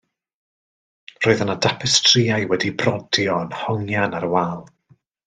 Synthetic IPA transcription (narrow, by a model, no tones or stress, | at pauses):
roːɨðənadapʰɛstʰriajwɛdibrɔdjɔnhɔŋjanaɾwaːlˠ